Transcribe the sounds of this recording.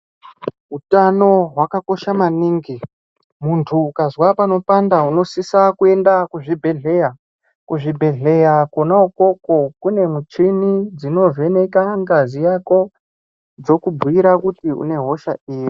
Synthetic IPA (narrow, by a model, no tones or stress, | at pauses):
ɦutano̞ɦwakako̞ʃamaniːŋɡi | muntʰuːkazwapano̞pandauno̞sisakue̞ndakuʐibʱe̞ɮe̞ja | kuʐibʱe̞ɮe̞jakonauko̞ko̞kune̞mut͡ʂinid͡zino̞ve̞ne̞kaŋɡazijako̞ | d͡zo̞kubʱuiɾakutiṵne̞ɦo̞ʃa̰iːji